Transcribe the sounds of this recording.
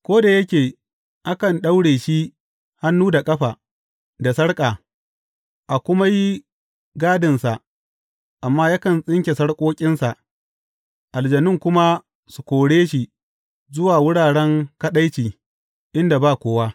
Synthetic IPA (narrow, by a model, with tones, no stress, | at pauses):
kʷoː˦da˨jɐ˦kʲeː˨ | ʔa˦kɐ˨nɗa˦wɽeː˨ʃi˦ | ha˦nːuː˦da˨kʼɐ˦ɸaː˨ | da˨sɐ˦ɽkʼaː˨ | ʔa˨kʷʊ˦ma˦ji˦ | ɡaː˦dɪ˨nsa˨ | ʔa˨mːaː˦jaː˦kɐ˨nsʼɪ˦ŋkʲe˨sɐ˦ɽkʼoː˦kʲʼɪ˦nsa˨ | ʔa˨ld͡ʒɐ˨nɪ˦˨ŋkʷʊ˦ma˦ | su˨kʷoː˨ɽeː˦ʃi˦ | zʊ˦waː˨wʊ˦ɽaː˨ɽɛ˦ŋkɐ˦ɗa˦jt͡ʃiː˨ | ʔɪ˦nda˨baː˦˨kʷoː˦waː˦